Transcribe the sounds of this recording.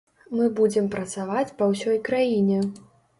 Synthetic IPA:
mɨbud͡zʲɛmpɾɐt̪savat͡sʲpɐwsʲɔjkɾajinʲɛ

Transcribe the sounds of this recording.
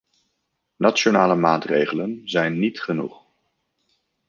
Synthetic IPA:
nʔat͡ʃonaːləmaːtrejχələnzɛjnːitχənṵχ

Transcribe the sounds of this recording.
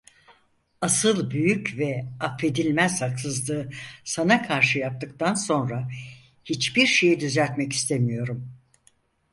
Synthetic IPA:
asɯlˠbyjycvɛafːe̞d̪ilʲmæz̥haksɯzlˠɯːsanakʰaɾʃɯjap̚t̪ʰɯk̚t̪ʰanso̞nɾa | hit͡ʃbiɾʃe̞jid̪yzæɾt̪mɛci̥st̪ʰemijo̞ɾum

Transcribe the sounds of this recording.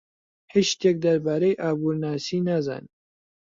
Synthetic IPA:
hit͡ʃt̪ek̚d̪ɐɾbaːɾejʔaːbuːɾnaːsiːnaza̰ːn

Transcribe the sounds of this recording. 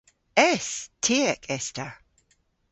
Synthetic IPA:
ɛstʰeɛkʰɛstə

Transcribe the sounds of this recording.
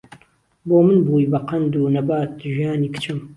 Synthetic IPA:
boːmɨnbuːjbɐqʰɐnd̪uːnɐbaːt̪̚ʒijaːniːkɨ̥t͡ʃʰɨm

